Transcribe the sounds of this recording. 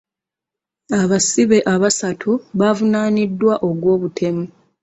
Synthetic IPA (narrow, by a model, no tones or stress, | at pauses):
aβasiβe̞ʔaβasatʰuβavunaːnidːwaʔo̞ɡwo̞ːβutʰe̞mu